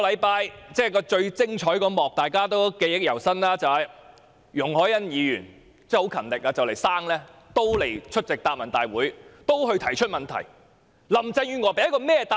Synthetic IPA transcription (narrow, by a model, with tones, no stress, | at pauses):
lɐ˨˧jpaː˧jt͡sɛː˥˩kɔː˧t͡ʃɵ˧ɥt͡sɪ˥ŋt͡ʃʰɔː˨˥jkɔː˧mɔː˨k̚t̪aː˨jkaː˥t̪o˥wke˧jjɪ˥k̚jɐ˨˩wsɐ˥nlaː˥t͡sɐ˨ɐ˨j | jʊ˨˩ŋhɔː˨˥jɐ˥njiː˨˧jyː˨˩n | t͡sɛː˥˩ho˨˥wkʰɐ˨˩nlɪ˨k̚aː˧t͡sɐ˨wle˨˩jsaː˥ŋlɛː˥t̪o˥wle˨˩jt͡ʃʰɵ˥t̚t͡sɪ˨k̚t̪aː˨˧p̚mɐ˨˩nt̪aː˨jwuː˨˥jt̪o˥wɦɵ˧ɥt̪ʰɐ˨˩jt͡ʃʰɵ˥t̚mɐ˨nt̪ʰɐ̰˨˩j | lɐ˨˩mt͡sɐ˧ŋjyː˨˧ŋɔː˨˧pe˨˥jɐ˥kɔː˧mɛː˥t̪a˨